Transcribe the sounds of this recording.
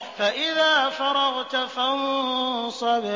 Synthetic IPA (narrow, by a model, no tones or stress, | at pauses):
faʔɪðaːfɑɾˤɑɣt̪afamʊsˤɑbɪ